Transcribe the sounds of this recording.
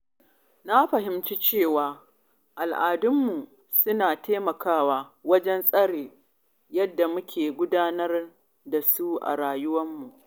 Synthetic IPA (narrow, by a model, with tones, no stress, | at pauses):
na˦ɸɐ˨ɦɪ˨˦mt͡ʃi˦t͡ʃeː˦˨waː˨ | ʔa˨lʔaː˨dʊ˦mːu˨ | sʊ˦naː˨teː˦mɐ˨kaː˦waː˦wɐ˦d͡ʒɛ˦nsʼɐ˦ɽeː˨ | jɐ˦dːa˨mʊ˦kʲʰeː˨ɡʷʊ˦daː˦nɐ˦r | da˨su˦ʔa̰˨ɽaː˨jʊ˦wɐ˦mːu˨ʔ